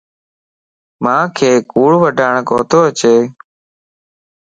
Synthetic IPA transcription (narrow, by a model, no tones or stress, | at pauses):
mãːkʰeːkuːɭʋəɖʱaːɳkoːt̪oːət͡ʃeː